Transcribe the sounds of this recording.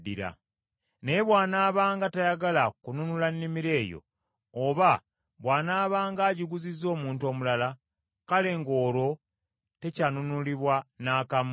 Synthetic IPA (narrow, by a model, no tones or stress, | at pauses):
dḭɾa̰ | nejeβwaːnaːβaːŋɡatajaɡalakununulanːimiɾe̞ːjo̰ | oβa | βwaːnaːβaːŋɡaːɟiɡuzizːo̞ːmuːnto̞ːmulala | kale̞ŋɡoːɾo̞ | te̞canunuliβwanaːkam